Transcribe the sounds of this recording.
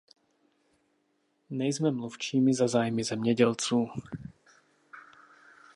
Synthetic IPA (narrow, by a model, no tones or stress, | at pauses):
ɲɛjzmɛmluft͡ʃiːmizazaːjmizɛmɲɛɟɛlt͡suː